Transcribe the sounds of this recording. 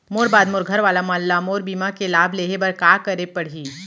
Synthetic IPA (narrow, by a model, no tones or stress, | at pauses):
moːɾbaːd̪mʊːɾɡʱɐɾʋaːlamãːlːamoːɾbiːmakelaːbʱleːɦebɐɾkaːkɐɾepɐɽ̤iː